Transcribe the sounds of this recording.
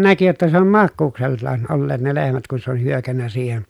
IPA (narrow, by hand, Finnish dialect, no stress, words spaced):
næki jotːɑ se om mɑkːuːkselːɑːn olːeːt ne lehmæt kun se ol hyøkænːæ siːhen